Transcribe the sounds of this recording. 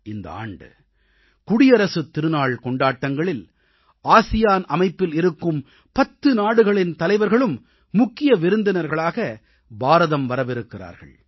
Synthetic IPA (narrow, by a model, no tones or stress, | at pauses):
ɪnd̪ɐ̰a̰ːɳɖɯ̰ | kʊɽɪjɐɾɐsɯt̪ːɪɾɯnaːɭkɔɳɖaːʈːɐŋɡɐɭɪl | aːsɪjaːnɐmɐɪpːɪlɪɾɯkːɯm | pɐt̪ːɯnaːɽɯɣɐɭɪnt̪ɐlɐɪʋɐɾɣɐɭɯmː | ʊkːɪjɐʋɪɾɯnd̪ɪnɐɾɣɐɭaːɣɐ | baːɾɐðɐmʋɐɾɐʋɪɾɯkːɪra̰ːɾɣɐ̰ɭ